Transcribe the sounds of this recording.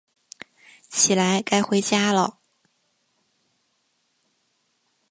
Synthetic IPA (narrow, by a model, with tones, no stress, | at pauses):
t͡ɕʰi˨˩la˧˥ɪka˥ɪxwe˧˥ɪt͡ɕja˥lə̰˨